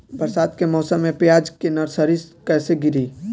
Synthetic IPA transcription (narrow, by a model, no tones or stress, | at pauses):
bəɾsaːd̪kemɔːsəmːẽpjaːd͡ʒkenɐɾsəɾiskɛːseɡɪɾiː